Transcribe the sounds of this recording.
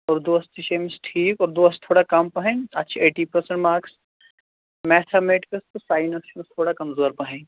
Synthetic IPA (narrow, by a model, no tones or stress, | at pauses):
ɔːɾd̪oɐst̪iʃemɪsʈʰiːkɔːɾd̪oɐst̪ʰoːɽakɐmpɐɦẽːɐt̪ːʃʰaeːʈiːpɐɾsə̃ɳʈmaːɾks | mɛːt̪ʰameːʈkɐst̪osaːɪnɐsʃmst̪ʰoːɽakɐmzoːɾpɐɦẽː